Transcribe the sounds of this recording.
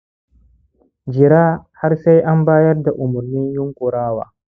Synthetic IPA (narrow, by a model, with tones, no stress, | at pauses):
d͡ʒɪ˨ɾaː˦ha˦ɾsa˦jʔa˦mbaː˦jɐ˦rda˨ʔʊ˨mʊ˨ɾnɪ˦njʊ˦ŋkʊ˨ɾaː˦wa̰ː˨